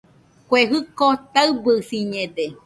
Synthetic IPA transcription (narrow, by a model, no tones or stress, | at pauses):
kʷeɦɨkot̪aɨbɨsiɲẽd̪e